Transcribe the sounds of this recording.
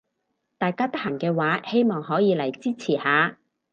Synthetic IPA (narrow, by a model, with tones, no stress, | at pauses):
t̪aː˨jkaː˥t̪ɐ˥k̚hɐ˨˩ŋkɛː˧waː˨˥he˥jmɔː˨ŋɦɔː˨˥jiː˨˧lɐ˨˩jt͡siː˥t͡sʰiː˨˩haː˨˧